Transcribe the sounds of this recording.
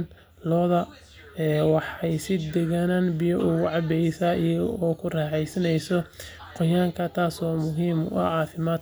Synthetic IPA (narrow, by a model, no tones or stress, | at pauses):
n | lɔːðɐ | ɛːwɑħɛjsɪd̪ɛɣanɐnbɪjɔʔʊɣʊʕɑbɛjsɐijɔːkʰʊrɛːħɛjsɐnɛjsɔqɔjaːŋkʰɐt̪ʰaːsɔːmʊɦiːmʊ̰ʔɐ̰ʕɑːfɪmaːd̪̚